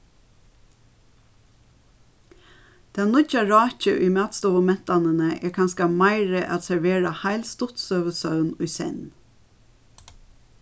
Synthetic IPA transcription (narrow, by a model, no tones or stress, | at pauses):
d̪̥ɛnʊt͡ʃaɹɑːc͡çə̰ʔʏɪmɑːt̪st̪ɔːʋəmɛn̥t̪anənəʔɛːɹkʰɑnskamɑɪɹəʔat̪sɛɹʋeːɹahæɪlst̪ʊt̪sœːʋəsœʉnʊjsɛ̰n